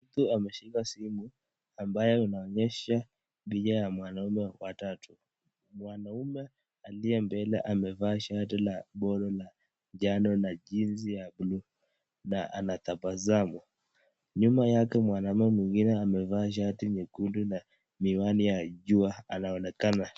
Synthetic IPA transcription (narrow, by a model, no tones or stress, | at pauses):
m̩t̪uamɛʃikasimu | ambajɛunaɔɲɛʃa | ɓiʄajamwanaumɛwatatʰu | mwanaumɛ | aliɛmbɛlɛ̰ʔamɛvaːʃat̬ilaɓɔlɔla | d͡ʒanɔnaʄinzijaɓlu | naʔa̰naθapbazamwa | ɲumajakɛmwanaumɛmwiŋɡinɛamɛvaːʃ̬atiɲikunduna | miwanijaʄuaanaɔnɛkana